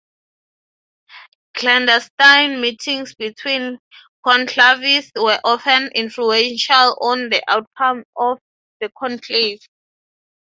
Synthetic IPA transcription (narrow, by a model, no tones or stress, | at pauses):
kʰlɛ̃ndɛstajnmitʰĩŋsbitʰwĩn | kʰɔ̃ntʰlaviswɛʔɔfɛ̃nĩnfluɛ̃nʃalɔ̃ndiʔawt̚kʰãmɔf | ðəkʰɔ̃ntʰlit